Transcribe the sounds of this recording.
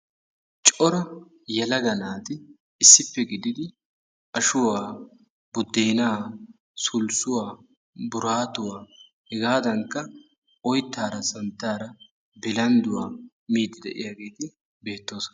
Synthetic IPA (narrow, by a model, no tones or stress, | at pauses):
t͡ʃʼɔɾɐ | jɛlɐɡɐnaːt̪ɪ | ɪsːɪpːɛɡɪd̪ɪd̪ɪ | ʔɐʃʊwaː | b̥ʊd̪ːeːnaː | sʊlsʊwaː | bʊɾaːt̪ʊwaː | hɛɡaːd̪ɐŋkːɐ | ɔjt̪ːaːɾɐsɐnt̪ːaːɾɐ | bɪlɐnd̪ʊwaː | miːd̪ːɪd̪ɛ̰ʔɪ̰jaːɡe̞ːt̪ɪ | be̞ːt̪ːo̞ːs